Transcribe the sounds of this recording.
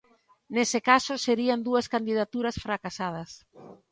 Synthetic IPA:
nesɪkasʊseɾiand̪uɐskand̪iðat̪uɾɐsfɾakasað̞ɐs

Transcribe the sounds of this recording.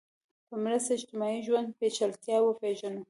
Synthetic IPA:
pəmɾast̪aɪʃt̪ɪmɑiʒwand̪̚pet͡ʃalt̪jɑwəpeʒano

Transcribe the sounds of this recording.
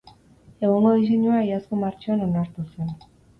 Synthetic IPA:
e̞ɣ̞oŋɡo̞ðis̬e̞ɲuaːjasko̞maɾt͡ʃoano̞naɾt̪use̞n

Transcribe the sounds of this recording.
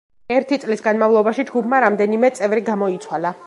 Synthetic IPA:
ɛɾt̪ʰit̪sʼlisɡanmavlˠɔbaʃid͡ʒɡubʰmaɾamd̪ɛnimɛt̪sʼɛvɾiɡamɔit̪sʰwala

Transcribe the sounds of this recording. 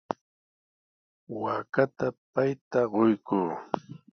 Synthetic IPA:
waːkat̪apajt̪aɢojkuː

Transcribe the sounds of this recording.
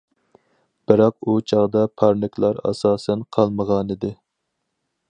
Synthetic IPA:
b̥ɪɾɑq̚ut͡ʃʰɑʁd̪ɑpʰɑɾnɪkʲʰlˠɑɾɑ̰sɑːsɛnqʰɑlˠməʁɑnɨd̪ɪ

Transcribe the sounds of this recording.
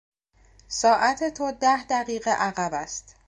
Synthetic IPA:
sɒːʔæt̪ʰet̪ʰod̪æhd̪æʁiːɣeʔæɣæbæst̪

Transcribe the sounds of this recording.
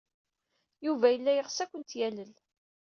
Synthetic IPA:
juvæjəlːæjəʁsækʷənt̪jæləl

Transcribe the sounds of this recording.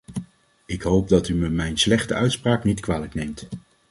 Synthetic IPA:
ɪkɦowp̚dɑtyməmɛjnslɛχtəœɥtspraːknitkʋaːləknejmt

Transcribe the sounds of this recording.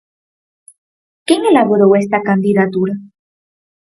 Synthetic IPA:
kjeŋelaβo̞ɾoest̪akand̪iðat̪uɾa

